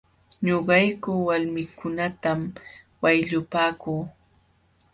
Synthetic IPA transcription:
ɲoɢɑjkʊwalmɪkʊnat̪am | wajʎʊpaːkuː

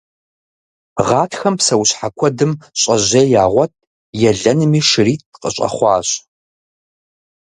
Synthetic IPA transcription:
ʁɑːtʰxɐmpsɐwɕħakʷʰɔdɨmɕʼɐʑeːjaːʁʷɔt̚ʰʼ | jɛɮɐnɨmiːʂɨriːtqʼə̰ɕʼɐ̰χʷɑ̰ːɕʼ

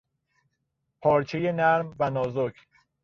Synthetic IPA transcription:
pʰɒːɾt͡ʃʰejenæɾmvænɒːzokʰ

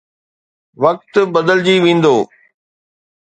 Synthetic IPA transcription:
ʋɐk̚t̪bɐd̪əld͡ʑiːʋẽːn̆d̪oː

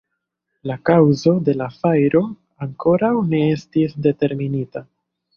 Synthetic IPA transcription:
lakawzo̞de̞lafajɾo̞ | aŋko̞ɾawne̞e̞stisde̞te̞ɾminita

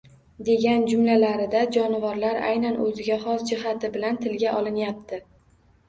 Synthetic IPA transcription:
d̪e̞ɡʲand͡ʒʊmlalaɾɪd̪ad͡ʒɒnɪvɒɾlaɾa̰jnanʔɵzɪɡʲaχɒsd͡ʒɪɦat̪ɪbɪlant̪ʰɪlɡʲaʔɒlˠɪnjap̚t̪ʰɪ

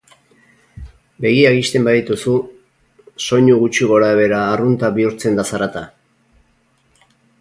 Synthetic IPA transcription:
be̞ɣ̞iaɣist̪e̞mbaðit̪usu | so̞ɲuɣut͡ʃiɣo̞ɾaβe̞ɾaːrunt̪aβiuɾt͡se̞nd̪asaɾat̪a

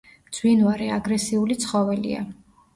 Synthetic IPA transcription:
md̪z̥winvaɾɛaɡɾɛsiulit̪sʰχɔvɛlḭa̰

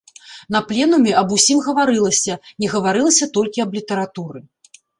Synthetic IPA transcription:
n̪ɐplʲɛnumʲɛɐbusʲimɣɐvaɾɨlˠɐsʲɐnʲɛɣɐvaɾɨlˠɐsʲɐt̪ɔlʲkʲiɐblʲit̪ɐɾat̪uɾɨ

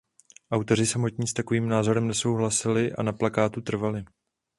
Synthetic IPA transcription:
ʔawt̪o̞r̝ɪsamo̞t̪ɲiːst̪ako̞viːmnaːzo̞ɾɛmnɛso̞wɦlasɪlɪʔa̰naplakaːt̪ut̪r̩valɪ

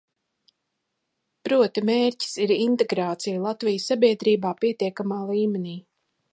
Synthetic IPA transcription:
pɾuɔt̪imeːɾci̥siɾint̪eɡɾaːt̪sijlˠat̪vijsːabiɛd̪ɾiːbaːpiɛt̪iɛkamaːlˠiːmɛnʲiː

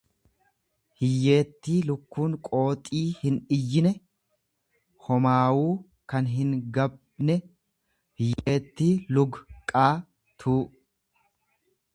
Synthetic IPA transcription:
hɪjːe̞ːt̪ːiːlʊkːuːŋkʼo̞ːt̪ʼiːhɪnɪjːɪnɛ | hɔmaːwuː | kɐnɦɪŋɡɐb | nɛ | hɪjeːt̪ːiːlʊɡkʼaː | t̪ʰuː

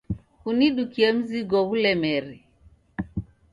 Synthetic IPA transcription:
kuniɗukiem̩ziɡowulɛmɛɾi

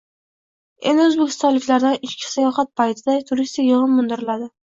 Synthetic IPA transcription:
e̞̰nd̪ɪɵzbekʲʰɪ̥st̪ɒnlɪkʲlaɾd̪anɪʃkʲʰɪ̥sajɒχat̪̚pʰajt̪ʰɪd̪at̪ʰʊɾist̪ɪkʲjɨʁɨnmʊnd̪ɪɾɪlad̪ɪ

